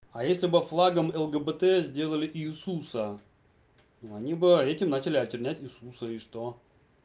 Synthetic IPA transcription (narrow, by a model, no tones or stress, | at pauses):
ajesʲlʲɪbɨflˠaɡəmɛlˠɡəbət̪ɛzʲdʲe̞lˠəlʲɪʔiːsusə | noɐnʲibɨɛtʲɪmnat͡ɕɪlʲɪɐtʲɪrʲnʲætʲɪsusəɪʂt̪o̞